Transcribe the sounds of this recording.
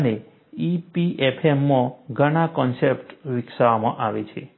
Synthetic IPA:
əne | ipiepʰemːɔ̃ɡʱəɽ̃akɔnsepʈʋɪksəʋamã̰ʔaʋet͡ʃʰḛ

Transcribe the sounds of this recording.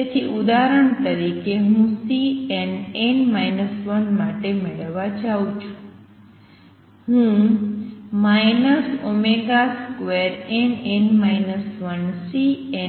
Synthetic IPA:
et̪ʰiʔud̪aɾəɳt̪əɾikeɦũsienenmajnəsʋənmaʈemeɭəʋat͡ʃaũt͡ʃʰũ̥ | ɦũ | majnəsomeɡaskʋeɾenenmajnəsʋənsie

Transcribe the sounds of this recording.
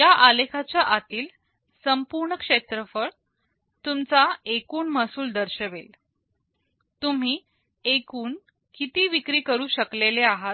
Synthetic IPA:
jaʔalekʰat͡ɕjaʔat̪iːl | səmpuɾɳəkʂet̪ɾəfəɽ | t̪umt͡saekuːɳməsuːld̪əɾɕəʋel | t̪um̤iː | ekuːɳ | kit̪iːʋikɾiːkəɾuːɕəkleleaɦat̪̚

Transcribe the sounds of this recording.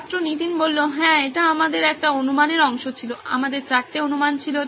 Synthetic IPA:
t̪ːɾonit̪inbolːoɦɛ̃eʈaamad̪eɾɛk̚ʈaonumaneɾɔŋʃot͡ɕʰiloʔa̰mad̪eɾt͡ɕak̚ʈ̪eonumant͡ɕʰilo

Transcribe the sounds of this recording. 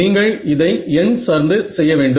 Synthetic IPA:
iːŋɡɐɭɪðɐɪɛnsɐɾnd̪ɯsɛjːɐʋeːɳɖɯ

